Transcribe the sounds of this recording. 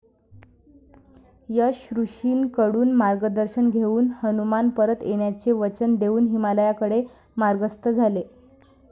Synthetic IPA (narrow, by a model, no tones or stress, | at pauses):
jəɕɾuɕiːnkəɽuːnmaɾɡəd̪əɾɕənɡʱeuːnhənumanpəɾət̪eɳjat͡seʋət͡ɕənd̪euːnɦimaləjakəɽe | maɾɡəst̪əd͡zʱale